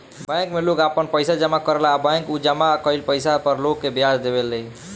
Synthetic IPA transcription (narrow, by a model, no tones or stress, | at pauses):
bɛ̃ŋkmelokapənpəjsad͡ʒəmakəɾlaːbə̃ŋkud͡ʒəmakəilpəjsapəɾlokkːebjad̪d̪ebelːəi